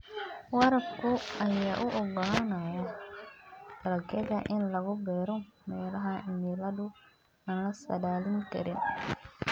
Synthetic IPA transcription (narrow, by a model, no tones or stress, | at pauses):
wɐɾɐbkʊɐjaːʔʊʔɔɡɔlanajɔ | t̪ɐlɐkɛðɐʔɪnlɐɣʊbɛːɾɔmɛːlɐɦɐmilɐðʊ | aːnlɐsɐ̰daːlɪŋkɐ̰ɾɪn